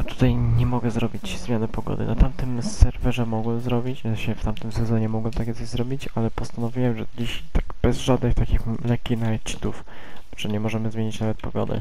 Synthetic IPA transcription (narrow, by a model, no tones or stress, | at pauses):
at̪u̥t̪ajɲɛmɔɡɛzɾɔbʲit͡ɕzmʲjanɛpɔɡɔ̰d̪ɘ̰nat̪amt̪ɘmsɛɾvɛʐɛmɔɡwɛmzɾɔbʲit͡ɕɕɛft̪amt̪ɘmsɛzɔɲɛmɔɡwɛmt̪akʲjɛt̪sɔʑzɾɔbʲit͡ɕalɛpɔst̪anɔvʲiwɛmʐɛd͡ʑiɕt̪aɡb̥ɛzʐad̪nɘxt̪akʲixlɛkʲːinaɛt͡ʂi̥t̪uf | ʐ̥ɛɲɛmɔʐɛmɘzmʲjeɲit͡ɕnavɛt̪̚pɔɡɔ̰d̪ɘ̰